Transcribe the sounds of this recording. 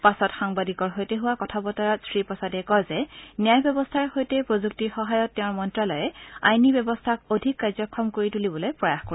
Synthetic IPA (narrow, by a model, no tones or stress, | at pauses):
pasɔtxaŋbadikɔɹɦojteɦʊwakɔtʰabɔtaɹatsɹipɹɔsadɛkɔjzɛnjajbjɔbɔstʰaɹxojtɛpɹozuk̚tixɔɦajɔtːɛʊ̃ɹmɔntɹalɔjɛa̰jnibjɔbɔstʰakodʱikːaɹzɔkʰːɔmkoɹitulibɔlɔjpɹɔjaxkoɹi